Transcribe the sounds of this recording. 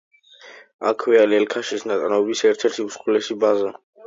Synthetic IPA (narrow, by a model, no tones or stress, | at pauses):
a̰kʰwɛalɛlkʰaʃisnat̪ʼnaɔbisɛɾt̪ʰɛɾt̪ʰiuskʼulɛsibaza